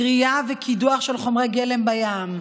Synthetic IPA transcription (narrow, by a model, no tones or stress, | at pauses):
ʁijavekʰid̪uaχʃelχo̞mʁejɡele̞mbajam